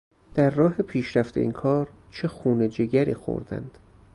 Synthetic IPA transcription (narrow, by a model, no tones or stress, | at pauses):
d̪̥æɾːɒːɦe̞pʰiːʃɾæft̪ḛʔiːnkʰɒːɾ | t͡ʃʰe̞xuːne̞d͡ʒeɡæɾḭːxo̰ɾd̪æ̰nd̪̥